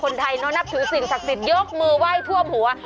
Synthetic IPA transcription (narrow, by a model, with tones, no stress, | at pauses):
kʰo˧nt̪ʰa˧jnɔː˦˥nːa˦˥p̚t̪ʰɯː˩˦si˨˩ŋsa˨˩k̚si˨˩t̪̚jo˦˥k̚mɯː˧wa˥˩jt̪ʰu˥˩əmhu˩˦ɐ